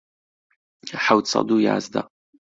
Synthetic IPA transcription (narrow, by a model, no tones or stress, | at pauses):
aħawt͡sʰa̰duja̰ːzda̰